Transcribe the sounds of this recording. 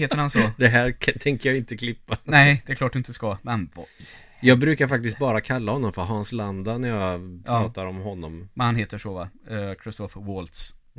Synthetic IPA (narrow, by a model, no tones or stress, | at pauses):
eːt̪əɾhansɔd̪ɛɦæɾʰt̪ʰɛŋkəɾjaɪnt̪əkʰlɪpːanɛɪd̪̥ɛkʰlɑːʈ̚d̪ɪnt̪əskɑmɛn | jɑːɡbɾʉ̟ːkaɾfak̚t̪ɪst̪̚bɑːɾakʰalːahɔnːɔmfœɾɦɑnsland̪anæɾjɑpʰɾːɑːt̪aɾɔmɦɔnːɔmmɛnhanɦeːt̪əʂɔvakʰɾɪst̪ɔfwoːlt̪s